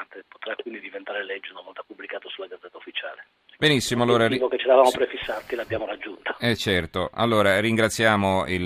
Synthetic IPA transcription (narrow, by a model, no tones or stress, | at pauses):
nt̪epo̥t̪ɾakwind̪id̪ivent̪aːɾelɛd͡ʒːeunavɔlt̪apublikaːt̪osulːaɡad̪zɛt̪ːaufːit͡ʃa̰ːle | benisːimoalːoːɾaivoket͡ʃːelavaːmopɾefisːat̪ːilabːjaːmoɾad͡ʒːunt̪ḁɛt͡ʃːɛrt̪oa̰lːoːɾariŋɡɾat̪sːjaːmoil